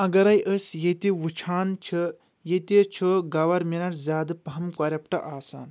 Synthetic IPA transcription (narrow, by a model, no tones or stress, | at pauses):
ɐɡɐɾɐjʔəsjet̪iʋut͡ʃʰaːnt͡ʃʰɐ | jet̪it͡ʃʰoɡɐʋɐɾminɐɾzʲaːd̪ɨpɐɦɐmkɐɾʲɐp̚ʈɐʔaːsa̰ːn